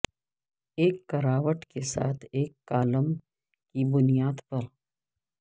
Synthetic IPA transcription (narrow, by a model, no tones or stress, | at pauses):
eːkːɐɾaːʋəʈkesa̰ːt̪ʰeːkːaːləm | kibʊnijaːd̪pɐɾ